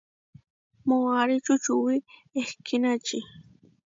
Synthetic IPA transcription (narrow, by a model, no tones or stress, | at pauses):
moaɾɪt͡ʃʊt͡ʃʊwɪehkɪnat͡ʃɪ